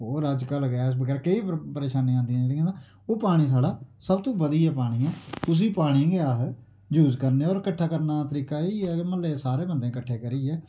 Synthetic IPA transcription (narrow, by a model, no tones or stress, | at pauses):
oːɾaːd͡ʒkaːləɡaːsbəɡɛːɾkeiːpəɾeːʃaːnĩːãːnd̪ijãːd͡ʒeːɽiːãːd̪ãː | oːpaːɽ̃iːs̬aːɽaːsəb̚t̪õːbəd̪iːɛːpaːɽ̃iːãːt̪ʊs̬iːpaːɽ̃ĩːɡeaːɦ | d͡ʒuːzkəɾneːɔːɾkəʈʰːaːkəɾnaːt̪əɾiːkaːiːɛːməlːeːsaːɾeːbənd̪ẽːkəʈʰːeːkəɾiːɛː